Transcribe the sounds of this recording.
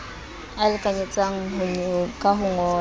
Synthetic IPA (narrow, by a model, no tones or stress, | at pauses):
alɪkʼaɲet͡sʼaŋ̩ɦʊɲʊkʼaɦʊŋɔː